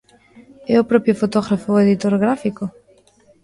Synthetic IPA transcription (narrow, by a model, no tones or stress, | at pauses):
eopɾopjofot̪oɣɾafoeðit̪oɾɣɾafiko